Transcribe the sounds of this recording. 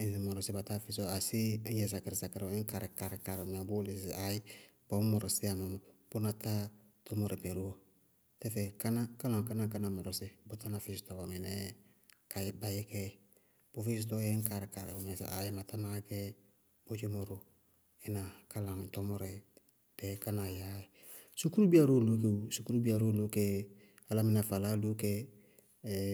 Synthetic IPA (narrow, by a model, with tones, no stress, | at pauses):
mɔ˨ɾɔ˨sɪ˦ba˨ta˦fɪ˦so˦a˨si˦jɛ˨s̬a˨kɪ˨ɾɪ˨sa˨kɪ˨ɾɪ˦ŋ̩˦ka˨ɾɪ˨ka˨ɾɪ˨ka˨ɾɪ˨m˨a˨bʊ˦li˨sʔa˨jɪ˦ | b̥ɔ˨˦mɔ˨ɾɔ˨sɪ˦a˨ma˨m˨b̥ʊ˦na˨ta˦ | tɔ˦mo˨ɾe˨be˨ɾu˦o˨ | tɛ˦fɛ˨ka˦na˦ka˦lã˨ŋ˨ka˦na˦ka˦na˨mɔ˨ɾɔ˨sɪ˦bʊ˦ta˦na˨fɪ˦si̥˦tɔ˨ba˨mɛ˨nɛ˦ | ka˨˦ba˦jɛ˦kɛ˦ | b̥o˦fi˦s̬ɪ˦tɔ˦jɛ˦ŋ̩˦ka˨ɾɪ˨ka˨ɾɪ̰˨ʊ˨mɛ˨sʔa̰˨jɪ˦ma˨ta˦na˦kɛ˦ | b̥o˦d͡ʒe˦mo˦ɾo˦ | ɪ˦na˨ka˦lã˨ŋ˨tɔ˦mɔ˦ɾɛ˨ | d̥ɛ˨ka˦na˨ja˦ɪ˨ | su˦ku˦ɾu˦bi˦a˦ɾo˦˨lo˦ke˨u˨su˦ku˦ɾu˦bi˦a˨ɾo˦lo˦kɛ˦ | a˦la˦mɪ˦na˨fa˨la˦lu˦kɛ˦˨